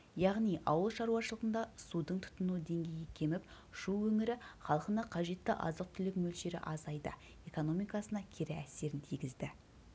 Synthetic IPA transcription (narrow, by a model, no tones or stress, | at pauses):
jɑʁnijʔɑ̰wəlˠʃɑɾuwɑʃəlˠəʁənd̪ɑsud̪əɴt̪ʰʊ̥t̪ːənud̪e̞ŋɡʲe̞jekʲʰe̞mɪp | ʃuwɵŋɪɾɪχɑlˠəqənɑqʰɑʒe̞t̪ːɪʔɑ̰zəq̚t̪ʰʏlɪkmɵlʃe̞ɾɪ̰ʔɑzɑjd̪ə̰ | e̞ko̞no̞mijkɑsənɑkʲʰeɾɪæse̞ɾɪnt̪ʰijɡʲɪzd̪ɪ